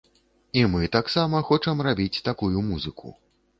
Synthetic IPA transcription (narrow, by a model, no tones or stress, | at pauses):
imɨt̪aksamɐxɔt͡ʂɐmrabʲit͡sʲt̪akujumuzɨkʰṵ